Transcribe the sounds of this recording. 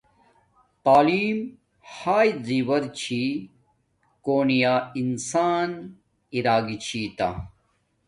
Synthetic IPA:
t̪aːliːm | haːjziwɐɾt͡ɕʰi | koːnijaːinsaːn | iɾaːɡit͡ɕʰit̪a̰

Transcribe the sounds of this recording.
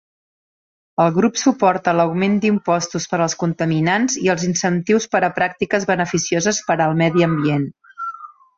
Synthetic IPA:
əlˠɣɾupsupɔɾt̪ələwmend̪impɔst̪uspəɾəlˠskunt̪əminanziəlˠzinsənt̪iwspəɾəpɾak̚t̪ikəzβənəfisiozəspəɾəːlˠmɛðiəmbien

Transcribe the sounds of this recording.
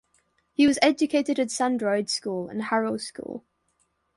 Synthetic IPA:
hiwɒzɛd͡ʒəkʰeɪtɪɾətsãndɹɔɪd̥skuːlə̰̃nhaɹəʊskṵːlˠ

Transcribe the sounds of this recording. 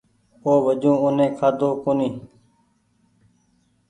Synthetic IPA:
oːʋəd͡ʒũːʊnẽːkʰaːd̪oːkoːnĩː

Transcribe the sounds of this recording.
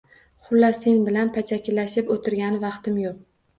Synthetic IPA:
χʊlːasenbɪlanpʰat͡ʃʰakʲɪlaʃɪpot̪ʰɪɾɡʲanɪvɑqt̪ʰɪmjoq̚

